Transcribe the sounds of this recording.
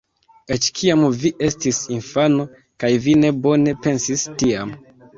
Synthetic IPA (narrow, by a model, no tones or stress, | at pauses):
e̞t͡ʃkʰiamviʔe̞stisinfano̞ | kajvine̞bo̞ne̞pe̞nsistiam